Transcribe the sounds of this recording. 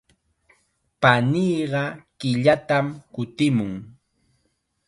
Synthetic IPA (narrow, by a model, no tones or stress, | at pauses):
paniːɢɑkɪʎat̪amkʊt̪ɪmʊŋ